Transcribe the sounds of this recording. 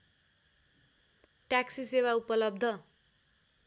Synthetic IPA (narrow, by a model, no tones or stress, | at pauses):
ʈaksisewaupʌlʌb̚d̪ʱʌ